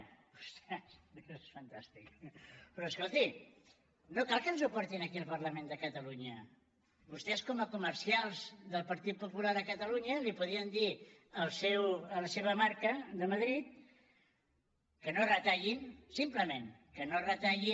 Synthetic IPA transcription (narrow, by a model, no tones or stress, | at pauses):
ust̪assfənt̪ast̪ikpɾɔːskolˠt̪i | nokalˠkənzupɔɾt̪inəkiəlˠpərləmend̪əkət̪əluɲə | bust̪ɛskɔməkuməɾsialˠzðəlˠpəɾt̪it̪̚pupulaðəkət̪əluɲəlipuðiənd̪iəlˠsewələseβ̞əmaɾkəd̪əməðɾit̪̚ | kənorət̪aʎinsimpləmẽnkənorət̪aʎi